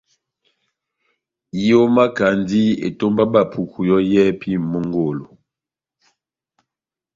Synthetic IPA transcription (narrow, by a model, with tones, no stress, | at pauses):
o˦ma˦ka˨ndi˦ḛ˨to˦mba˦ba˨pʰu˨kʰu˨jɔ˦jɛ˦pʰi˦˨mo˦ŋɡo˨lo˨